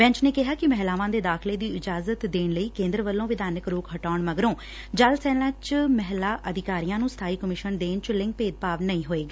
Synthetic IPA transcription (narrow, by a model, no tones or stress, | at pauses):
bɛ̃ːɲt͡ʃneːkɪɦaːkɪmɛɦlaːʋãːd̪eːd̪aːkʰɪleːd̪iːɪd͡ʒaːzət̪d̪eːɳləiːkẽːnd̪ɾəʋəlːõːʋɪd̪aːnəkɾoːkɦəʈaːɳməɡɾõː | d͡ʒəlsɛːlãːt͡ʃmɛɦlaːʔəd̪ɪkaːɾijãːnũːst̪ʰaːiːkəmɪʃənd̪eːnt͡ʃlɪ̃ŋk̚peːd̪̚paːʋnəĩːɦoːeːɡaː